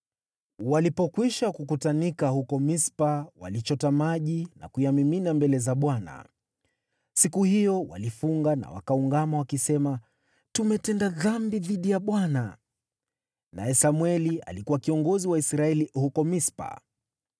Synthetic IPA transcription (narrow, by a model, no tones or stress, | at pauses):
walipɔkwiʃakukutanikahukɔmispawa̰lit͡ʃɔtamaʄina̰kujamiminambɛlɛzaɓwana̰ | sikuhijɔwa̰lifuŋɡana̰wa̰kauŋɡamawakisɛma | tumɛtɛndaðambiðiɗijaɓwana | na̰jɛsamwɛlia̰likuwakiɔŋɡɔziwaisɾaɛlihukɔmispa̰